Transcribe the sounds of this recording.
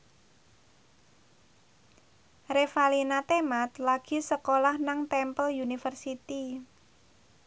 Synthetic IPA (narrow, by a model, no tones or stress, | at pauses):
refalinat̪emat̪laɡ̥i̤səkolahnaŋt̪ɛmpəljunifərsit̪i